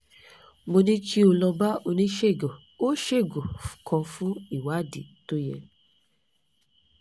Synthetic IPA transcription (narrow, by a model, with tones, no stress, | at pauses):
mo˧nĩ˦t͡ʃi˦o˧lɔ˧ba˦o˧nĩ˦ʃe˦˨ɡɔ˨ | o˦ʃe˦˨ɡɔ˨kʰɔ̃˧fũ˦i˦˨wa˨˦˨di˨to˦jɛ̰˧